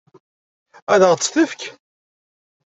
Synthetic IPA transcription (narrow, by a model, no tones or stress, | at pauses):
æðəʁt͡sːθəfk